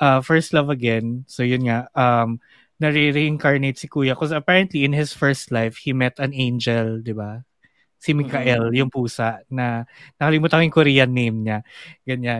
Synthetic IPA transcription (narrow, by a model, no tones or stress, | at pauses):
ʔɐfɛɹst̪lɐvɐɡɛnsojʊnŋaʔʔɐm | nɐɾiɾiʔɪŋkaɹnejt̪̚sɪkuːjɐkɔsɐpɛɹɐnt̪liɪnhɪsfɛɹst̪lajfhimɛt̪ɐnẽjnd͡ʒɛld̪ɪba | sɪmɪkaʔɛljʊŋpuːsɐʔnɐnɐkɐlɪmuːt̪ɐkojʊŋkʊɾiːjɐnːejmɲaɡɐɲan